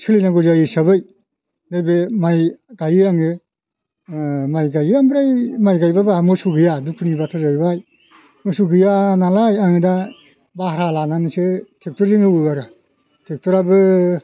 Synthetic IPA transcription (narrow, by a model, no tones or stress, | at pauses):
sʰɯlinaɡuzajɯsabɯj | dajbɯmajɡajɯaŋɯ | majɡajɯambɾajmajɡajbabamɯsuɡɯjadukʰunibatʰɯzajbaj | mɯsuɡɯjanalajaŋɯda | bahɾalananɯsɯtʰek̚tɔɾzɯŋɯwɯaɾɯ | tʰek̚tʰɔɾabɯ